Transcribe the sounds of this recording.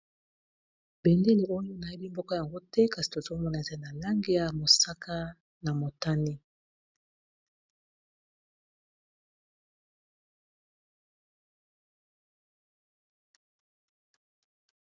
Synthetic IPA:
bɛ˨nde˦li˨ʔo˦jo˦na˨i˦bi˦mbɔ˦ka˦ja˨ŋɡo˦tɛ˦ka˨si̥˨to˨zo˦mɔ˦na˨e˨za˦i˦na˨la˦ŋɡe˦ja˨mo˨sa˦kʰa˦ | na˨mo˨ta˦ni˦

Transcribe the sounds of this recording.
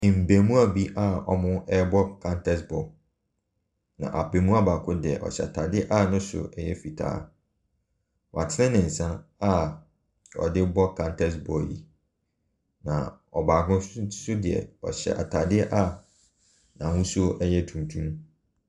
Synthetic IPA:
m̩˨be˨mũ˦a˨bi˦ʔa˦ɔ˦mʊ̃˦ɛ˦bɔ˦kʰã˦ntʰɛ˦sbɔ˨ | nã̰˨ʔa˨pe˨mũ˦a˦ba˨kʰʊ˦dɪ˨ɛ̰˨ʔɔ̰˨ɕɛ̰˨a˨tʰa˨dɪ˦ɛ˦ʔa˦nʊ̃˦sʊ̰˨ɛ˦jɛ˦fi˨tʰa̰ː˦ | wa˨tʰɪ˦nɪ̃˦nɪ̃˨n̩˨sã˦na˦ | ɔ̰˨dɪ˦bɔ˦kʰã˦ntʰɛ˦s̬bɔ˨jḭ˨ | nã̰˨ | ɔ˨baː˨ɡʊ̃˦sʊ˦dɪ˨ɛ̰˨ɔ˨ɕɛ̰˨ʔa̰˨tʰa˨dɪ˦ɛ˦ʔa˦ | nã˨hũ˦su˦o˦ʔɛ˦jɛ˦tʰũ˨n˨tʰũ˦m

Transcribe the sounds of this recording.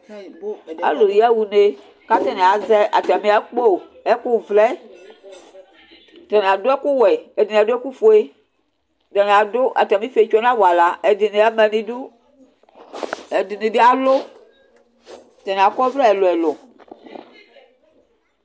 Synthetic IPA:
a̰˦lo˨i˨˦a˦wu˨ne˦ | ka˦tɛ˦nɛ˨a˨zɛ˦ʔa˨ta˨mĩ˦a˦k͡po˦˨ | ɛ˦ku˦˨vlɛ˦ | tɛ˨nẽ˨a˨do˦ɛ˦ku˦wɛ˨ɛ˨di˨n˨a˨do˦ɛ˦ku˦fo˦e˦ | tɛ˨ne˨a˨do˦ʔa̰˨ta˨mĩ˦fe˨˦t͡ʃo˦nã˦wo˨a˨la˨ɛ˨di˨ne˨a˦mɛ˨nĩ˦du˦ | ɛ˨di˨nĩ˨de˦a˨lo˦ | tɛ˨nẽ˨a˨kɔ˦vlɛ˦ɛ˨lo˨ɛ˨lo˨

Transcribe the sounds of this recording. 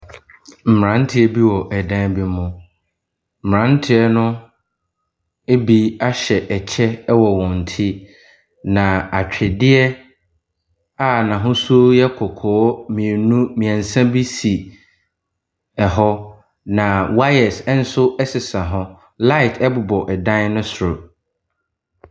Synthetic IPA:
m̩˨m˨ɾã˨˦n̩˦tʰɪ˦ɛ˦bi˦wɔ˨ʔɛ˨dã˦bi˦mʊ̃˨ | m̩˨m˨ã˦n˦tʰɪ˦ɛ˦nʊ̃˦ | e˦bi˦a˦ɕɛ˨ʔɛ˨t͡ɕʰɛ˦wɔ˨wɔ̃˨n̩˨tʰi˦ | nã˨a˨t͡ɕᶣʰɛ˨dɪ˦ɛ˦ | a˦˨nã˨ɦʊ̃˦su˦o˦jɛ˦kʰɔ˨kʰɔː˨˦mĩ˨e˨nũ˦mĩ˨ã˨n̩˨sã˦bi˦si˨ | ɛ˨ɦɔ˦ | nã˨wa˦jɛ˨sn̩˦sʊ˦ʔɛ˦sɪ˨sã˨ɦɔ˦ | la˦ɪ˨tʰɛ˦bʊ˨bɔ˨ʔɛ˨dã˦n˦nʊ̃˦sʊ˨ɾʊ˨

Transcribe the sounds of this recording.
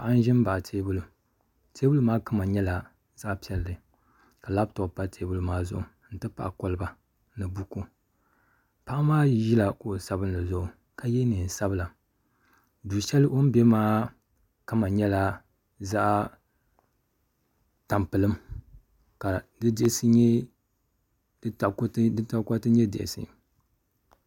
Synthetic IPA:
pa˨ʔa˦n˦ʒɪ˦m˦ba˨ʔtʰeː˦bʊ˦lu˨ | tʰeː˦bu˦lu˦maː˦ka˦ma˨ɲɛ˦la˨ | za˦ʔpi˦ɛ˨lːɨ˨ | ka˨la˦btʊ˨pa˦tʰeː˦bu˦lu˦maː˦zʊ̰˨ʔʊ˨ | n̩˦tɨ˦pa̰˨ʔa˨ko˨lɨ˦ba˨ | nɨ˨bu˦ku˦ | pa˦ʔa˦maː˦ʒi˦la˨ko˨sa˦bɨ˦nla˨zʊ˦ʔʊ˨ | ka˨jɛ˦ni˨n˨sa˦bɨ˦la˨ | duː˨ʃɛ˦lɨ˦ʔo˦n˦bɛ˦maː˦ | ka˦ma˨ɲɛ˦la˦ | za˦ʔ | ta˨mpɨ˨lɨ˦m | ka˨dɨ˦dɪ˦sɨ˦ɲɛ˦ | dɨ˦ta˨kdɨ˦ta˦˨˦kʷa˦tɨ˦ɲɛ˦dɪ̰˨ʔɪ̰˨sɨ̰˨

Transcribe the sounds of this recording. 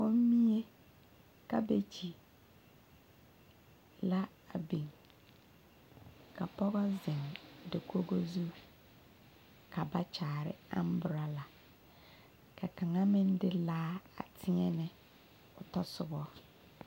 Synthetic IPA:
o˦m˦mi˦e˦ | ka˦be˦t͡ʃʰi˨ | la˦ | a˨bi˨ŋ | kʰa˨pɔ˦ɣɔ˦zɪ˨ŋdɪ˨kʰo˦ɡo˦zu˦ | kʰa˨ba˦t͡ʃaː˨ɾɪ̰˦a̰˦m˦bʊ˨ɾa˦la˨ | kʰɛ˨ka˨ŋa˦mɪ̃˦n˦dɪ˦laː˦a˨tʰɪ˦ɛ˦nɪ˦ | ʊ˨tɔ˦sʊ˨bɔ˦

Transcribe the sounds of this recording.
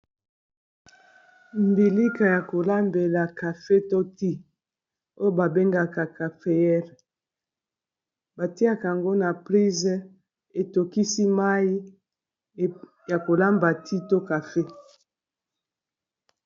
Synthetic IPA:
mbi˨li˦ka˨ja˨ko˨la˦mbe˨la˨ka˨fe˦to˦ti˦ | o˦jo˦˨ba˨be˦ŋɡa˨ka˨ka˨fe˨jɛ˦ʁ | ba˨ti˦a˦ka˨a˨ŋɡo˦na˨pʁi˦zɛ˦ | e˨to˨ki˦si˦ma˦i˦ | ja˨ko˨la˦mba˨ti˦to˦ka˨fe˦

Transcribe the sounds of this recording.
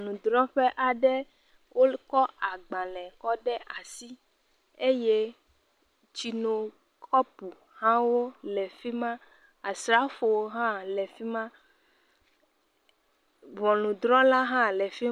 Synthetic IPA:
nũ˨d̪ɾɔ̃˦ɸɛ˦ʔa˨ɖɛ˦ | wʔo˦kɔ˦a˨ɡ͡bã˨lɛ̃˨kɔ˦ɖɛ˦ʔa˨si˦ | e˦je˦ | t͡ɕi˨nõ˨ | kʰɔ˦pu˨ | hã˦wo˦lɛ˨fi˦mã˦ | a˨sɾa˦fo˨wo˦ɦã˦lɛ˨fi˦mã˦ | vɔ˨nũ˨d̪ɾɔ̃˦la˦ɦã˦lɛ˨fi˦

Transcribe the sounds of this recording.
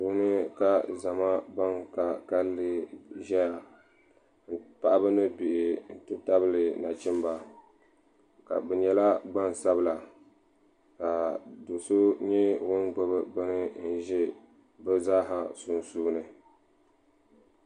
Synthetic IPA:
su˨˦nɨ˦ka˨za˨ma˦ba˦ŋka˨ka˦lːɨ˦ʒɛ˦ja˨ | n̩˦pa˦ʔa˦bɨ˦nɨ˦bi˨ʔɪ˨n̩˦tɨ˦ta˦bɨ˦lɨ˨na˨t͡ʃɪ˦mba˨ | ka̰˨bɛ˨ɲɛ˨la˦ɡ͡ba˦n˨sa˦bɨ˨la˨ | ka˨do˨so˦ɲɛ˦wʊ˦nɡ͡bo˦bɨ˨bɨ˦nɨ˦n̩˦ʒɛ˦ | bɨ˦zaː˦ɦa˨su˨nsuː˦nɨ˨

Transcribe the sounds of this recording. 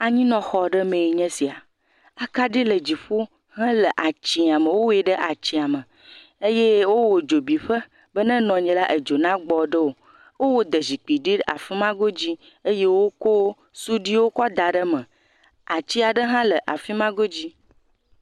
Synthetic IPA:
a˨ɲĩ˦nɔ̃˨xɔ˨ɖə˦mẽ˨i˨ɲɛ̃˦si˨a˨ | a˨ka˦ɖi˦lə˨d͡ʑi˨ɸo˦ | ɦə̃˦lə˨ʔa˨t͡ɕi˨a˨mə̃˨wo˦we˦ɖə˦ʔa˨t͡ɕi˨a˨mə̃˨ | e˦je˦wo˦wo˨d͡ʒo˨bi˨ɸə˦ | bə˦nə̃˦nɔ̃˨ɲɛ̃˨la˦ʔə˨d͡ʒo˨nã˦ɡ͡bɔ˨ɖə˦wo˨ | wo˦wo˦d̪ə˨zi˨k͡pi˨ɖi˦a̰˨fi˦mã˦ɡo˦d͡ʑi˦ | e˦je˦wo˦ko˦ | su˦ɖi˦wo˦kɔ˦d̪a˨ɖə˦mə̃˨ | a˨t͡ɕi˦a˨ɖə˦ɦã˦lə˨ʔa˨fi˦mã˦ɡo˦d͡ʑi˦

